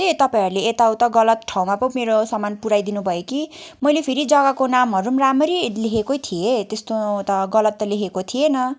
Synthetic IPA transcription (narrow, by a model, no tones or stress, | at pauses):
t̪et̪ʌpaĩɦʌɾuleːt̪awt̪ʌɡʌlʌt̪ʈʰaw̃mapʌmeɾosʌmanpuɾajd̪inubʱʌjokimʌjlepʰiɾid͡zʌɡakonamɦʌɾumramʌɾilekʰekojt̪ʰijet̪est̪ot̪ʌɡʌlʌt̪ːʌlekʰekot̪ʰijenʌ